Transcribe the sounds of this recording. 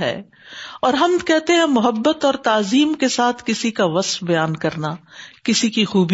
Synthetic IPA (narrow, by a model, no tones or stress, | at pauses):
ɦɛ̰ː | ɔːɾɦɐmkɛɦt̪eɦɛ̃mʊɦəbːət̪ɔːɾt̪aːziːmkesaːt̪ʰkɪsikaʋɐsfbɐjaːnkɐɾnakɪsikixuːb